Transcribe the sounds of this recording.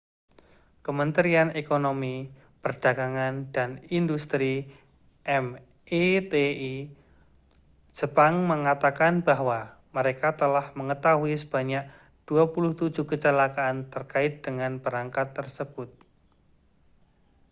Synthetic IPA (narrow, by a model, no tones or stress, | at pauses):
kəmənt̪ɾianekonomi | pərd̥aɡaŋand̥anindust̪ɾi | ʔɛm | ʔet̪ei | d͡ʒəpaŋməŋat̪akanbaɦwa | məɾekat̪əlahməŋət̪aɦuisəb̥aɲak̚ | d̥uapulʊht̪u̥d͡ʒukət͡ʃəlakaʔːnt̪ərkaɪt̪̚d̥əŋanb̥əɾaŋkat̪ːərsəb̥ʊt̪̚